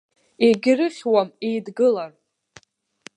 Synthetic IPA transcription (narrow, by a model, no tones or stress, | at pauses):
eɡʲɪrɨχʲwamejdɡɨlar